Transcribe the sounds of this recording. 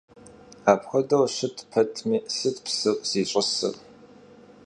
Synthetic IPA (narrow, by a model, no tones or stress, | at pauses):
aːpxʷɐdɐwɕɪtʰpʰɐtʰmiːsɨtpsɨwʼz̥iːɕʷʼɐsɨ̰r